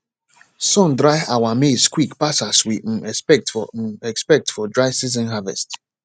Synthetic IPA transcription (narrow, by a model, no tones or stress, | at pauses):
sɔ̃ndɹaɪawameskwikpasaswim̩ɛspɛk̚tfɔɛkspɛk̚tfɔdɹaɪsiz̬ɛ̃nɦavɛ̰st